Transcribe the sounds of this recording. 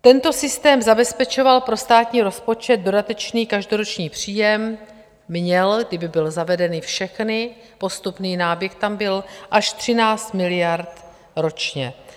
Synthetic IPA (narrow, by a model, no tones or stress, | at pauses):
t̪ɛnt̪o̞sɪst̪ɛːmzabɛspɛt͡ʃo̞valpɾo̞st̪aːt̪ɲiːɾo̞spo̞t͡ʃɛt̪̚do̞dat̪ɛt͡ʃniːkaʒdo̞ɾo̞t͡ʃɲiːpr̝̥iːjɛmː | ɲɛlɡdɪbɪbɪlzavɛdɛnɪfʃɛxnɪ | po̞st̪upniːnaːbjɛxt̪ambɪlʔaʃt̪r̝̥ɪnaːt͡st̪mɪlɪjaɾt̪ | ɾo̞t͡ʃɲɛ